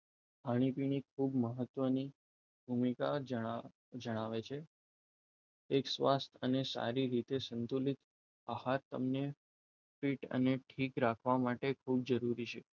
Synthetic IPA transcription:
paɽ̃ipiɽ̃ikʰubməɦət̪ːʋəni | bʱumikaə | d͡ʒəɽ̃aʋet͡ʃʰe | ksʋast̪ʰənesa̰ɾiɾit̪esənt̪ulit̪ | ahaɾt̪ə̰mne | piʈə̰neʈʰikɾakʰʋamaʈekʰub̚d͡ʒəɾuɾit͡ʃʰe

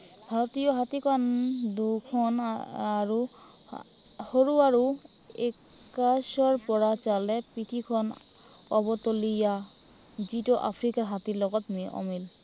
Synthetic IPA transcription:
bʱaɾot̪ijoɦat̪ikɔnd̪ukʰɔnaɾu | hoɾuaɾu | ek | aʃɔɹpɔɹat͡ɕalɛpit̪ʰikʰɔn | ɔbɔt̪olija | d͡ʑiʈoʔa̰pʰɾikaɾɦat̪iɾlɔɡɔt̪meʔɔ̰mil

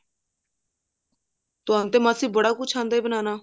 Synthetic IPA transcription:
t̪ʊɦãnt̪eːmaːsiːbəɽaːkʊt͡ʃʰãːnd̪aiːbənaːnaː

